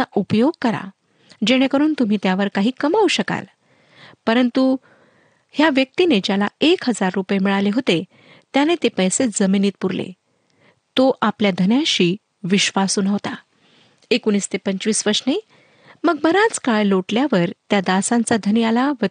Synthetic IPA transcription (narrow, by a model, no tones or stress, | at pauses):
aʔupjoɡ̚kəɾa̰ | d͡ʑeɽ̃ekəɾuːnt̪um̤iːt̪jaʋəɾkaɦiːkəmauɕəka̰l | pəɾənt̪u | hjaʋjək̚t̪ined͡ʑjalaekɦəd͡zaɾːupjemiɭaleɦot̪e | t̪janet̪epəjsed͡zəminiːt̪̚puɾlḛ | t̪oʔapljad̪ʱənjãɕiː | ʋiɕʋasuːnɦot̪a | ekuñiːst̪epəɲt͡ɕʋiːsʋəɾʂne | məɡ̚bəɾat͡skaɭloʈljaʋəɾt̪jad̪asãnt͡sad̪ʱənialaʋə